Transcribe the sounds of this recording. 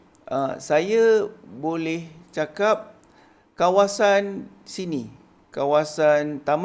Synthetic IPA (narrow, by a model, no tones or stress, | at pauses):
a̰sajabolɛht͡ʃakap̚ | kawasan | sini | kawasant̪am